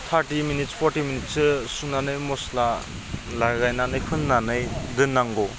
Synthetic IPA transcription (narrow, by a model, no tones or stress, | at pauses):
t̪ʰaɾtiminit̚spʰɔɾtiminit̚sɯsunanɯjmɔsla | laɡajnanɯjkʰɯnːanɯjdɯnːaŋɡɔ